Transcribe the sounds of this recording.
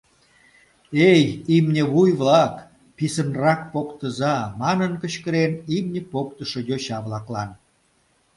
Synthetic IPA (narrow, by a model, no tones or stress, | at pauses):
ejimnʲeβujβlɑk | pisənrɑkpokt̪əzɑmɑnənkəɕkəɾenimnʲepokt̪əʃojoɕɑβlɑklɑn